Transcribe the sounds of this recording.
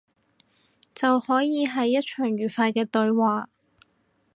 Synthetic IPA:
t͡sɐ˨whɔː˨˥jiː˨˧ɦɐ˨jːɐ˥t̚t͡ʃʰœː˨˩ŋɥyː˨˩faː˧jkɛː˧t̪ɵ˧ɥwaː˨

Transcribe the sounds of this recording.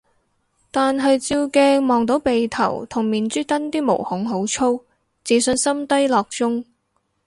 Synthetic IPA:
t̪aː˨nɦɐ˨jt͡siː˧wkɛː˧mɔː˨ŋt̪o˨˥wpe˨jt̪ʰɐ˨˩wt̪ʰʊ˨˩ŋmiː˨nt͡syː˥t̪ɐ˥nt̪iː˥mo̰˨˩whʊ˨˥ŋɦo˨˥wt͡ʃʰo˥w | t͡siː˨˥sɵ˧nsɐ˥mt̪ɐ˥jlɔː˨k̚t͡sʊ˥ŋ

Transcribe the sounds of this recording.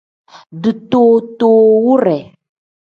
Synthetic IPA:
ɖɨ˨t̪o˨t̪o˨wu˦ɾɛ˨

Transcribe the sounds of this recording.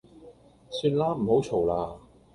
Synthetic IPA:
syː˧nlaː˥m̩˨˩ho˨˥wt͡ʃʰo˨˩wlaː˧

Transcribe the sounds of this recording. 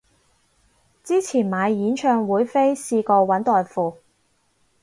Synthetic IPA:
t͡siː˥t͡sʰiː˨˩nmaː˨˧jːiː˨˥nt͡ʃʰœː˧ŋwuː˨˥jfe˥jsiː˧kɔː˧wɐ˨˥nt̪ɔː˨jfuː˨˧

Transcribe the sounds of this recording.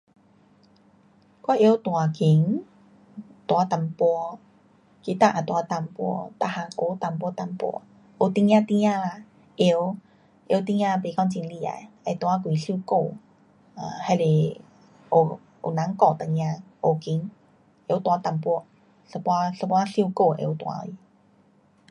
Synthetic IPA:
kwa˧˦ʔje˦t̪wa˨ki˨˦ŋ | t̪wa˨˦t̪a˧˩mpɔ˧ | ki˧t̪a˦˧ʔa˨˩t̪wa˧t̪a˧˩mpwɔ̰˧˦t̪a˧˨ha˧ko˧˦t̪a˨˧˩mp̬wɔ˧˦t̪a˧˩mpɔ̰˧˦ | ʔo˨˩t̪i˧ŋjã˧t̪i˧jã˧la˧˩ | ʔe˧˦w | ʔe˧˦wt̪i˧jã˦˧be˧˨kɔ˧ŋt͡ɕi˧nli˧˨a̰˨˩ja˧jt̪wa˧˦k̬wi˨ɬi˧ko˥˧˩ | a˨˧˨ha˧le˨ | o˨˩ | o̰˨˩nã˨˦ŋkɔ˧˩t̪a˧˨ɲj̃ã˧ʔo˨˩ki˨˧˦ŋ | ʔe˧˦t̪wa˧˦t̪a˧˩mpwɔ˧ | sə˧pwa˧sə˧pwa˦˧ɬi˦˧ko˥˧˨ʔḛ˧˦t̪wa̰˧˦˧i˧˦

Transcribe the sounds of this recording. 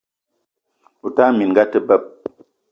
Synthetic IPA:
u˨ta˦mi˨n˨ɡa˦tə˦bə˦˨p̚

